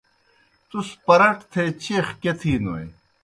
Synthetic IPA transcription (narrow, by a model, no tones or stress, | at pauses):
t̪uspɐɾɐʈt̪ʰet͡ɕeːxket̪ʰiːnoj